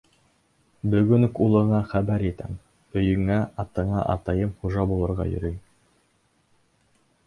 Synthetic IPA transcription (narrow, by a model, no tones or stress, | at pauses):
bɵ̆ɡɵnkulˠɤ̆ɴɑχæbæɾit̪æ̰ŋ | ɵ̆jɵ̆ŋæɑt̪ɤ̆ɴɑʔɑ̰t̪ɑjɤmχuʒɑbulˠɤ̆ɾʁɑ̰jɵ̰̆ɾɵj